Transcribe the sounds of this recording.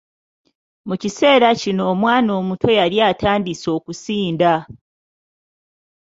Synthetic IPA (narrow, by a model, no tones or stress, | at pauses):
mucise̞ːɾacino̞ːmwaːno̞ːmutʰo̞jaɾjaːtʰaːndiso̞ːkusiːnda